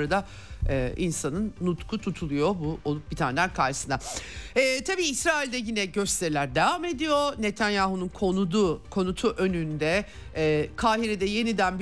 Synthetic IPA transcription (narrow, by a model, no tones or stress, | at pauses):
ɾad̪a | ɛ̰ːʔinsanɯnːut̪kʰut̪ʰut̪ʰulˠujo̞buolˠup̚bit̪ʰaːnd̪ʲæɾkʰaɾʃɯ̥sɯnaɛːt̪ʰabiːsɾaːilʲd̪ɛjinɛɟø̞st̪ʰe̞ɾilʲæɾd̪e̞vaːme̞d̪ijo̞ne̞t̪ʰanjaːɦununkʰonud̪ukʰo̞nut̪ʰuʔø̞nynd̪ɛː | kʰaːɦiɾed̪ɛje̞nid̪ænb